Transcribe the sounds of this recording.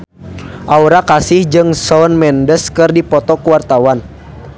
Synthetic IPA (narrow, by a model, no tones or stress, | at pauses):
ʔauɾakasɪhd͡ʒɨŋsɔnmɛndəskɨrdipɔt̪ɔkuwart̪awan